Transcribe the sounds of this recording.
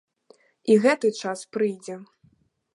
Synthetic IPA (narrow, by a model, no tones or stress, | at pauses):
iɣɛt̪ɨt͡ʂaspɾɨjd͡zʲɛ